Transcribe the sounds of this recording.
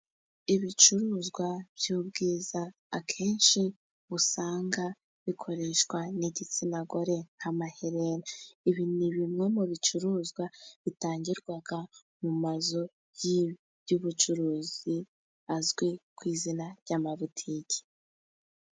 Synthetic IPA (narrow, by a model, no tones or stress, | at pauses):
iβit͡ʃuɾuːzɡwaβ̥juːb̚ɡiːzaː | kʰe̞ːnʃi | βusaːŋɡa | βikʰo̞ɾe̞ʃkwaneɟit͡sinaɡo̞ɾe̞ŋhamaheɾeɾaiβiniβimŋe̞muβit͡ʃuɾuːzɡwaβitaːɲɟiɾɡwaɡa | mumazo̞ | ji | juβut͡ʃuɾuːzi | azɡwekwiːzinaɾɟamaβutʰiɟi̥